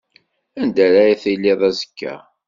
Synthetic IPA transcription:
ænd̪æɾæjæθijlːɪðˤæzə̥kːæ̰

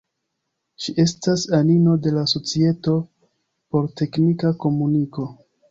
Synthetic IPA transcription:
ʃiʔe̞stasanino̞de̞laso̞t͡sie̞to̞ | po̞ɾte̞knikako̞muniko̞

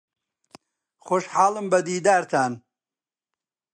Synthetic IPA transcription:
xoʃħaːlɨmbɐd̪iːd̪aːɾt̪ʰaːn

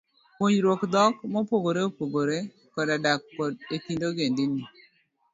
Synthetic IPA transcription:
poɲɾwokd̪ɔkmɔpoɡoɾeopwoɡoɾe | kɔdadak̚pɔdekindoɡendɪni

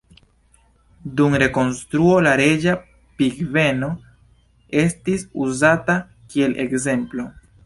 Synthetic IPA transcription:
dumɾe̞ko̞nstɾuo̞laɾe̞d͡ʒa | piɡve̞no̞ | e̞stisuzata | kie̞lʔe̞̰kze̞mplo̞

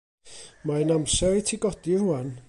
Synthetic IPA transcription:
maənamsɛɾitʰiɡɔdiruan

